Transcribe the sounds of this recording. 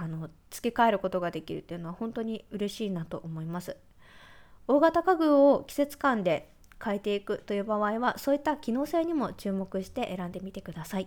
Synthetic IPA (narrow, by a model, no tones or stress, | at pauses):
ano̞t͡sɨ̥kʲe̞kae̞ɾɯ̟ko̞t̪o̞ɡad̪e̞kʲiɾɯ̟t̪ːeiɯ̟no̞βahõ̞nt̪o̞ɲ̟iɯ̟ɾe̞ɕiːnat̪o̞ʔomo̞imasɨ̥ | o̞ːɡat̪akaɡɯ̟ːo̞kʲi̥se̞t͡sɨ̥kãnd̪e̞ | kae̞t̪e̞ikɯ̟t̪o̞jɯ̟ːbaβaiβaso̞ːit̪ːakʲino̞ːse̞ːɲ̟imo̞t͡ɕɨːmo̞kɯ̟ɕi̥t̪e̞ʔeɾãnd̪e̞mʲit̪e̞kɯ̟d̪asai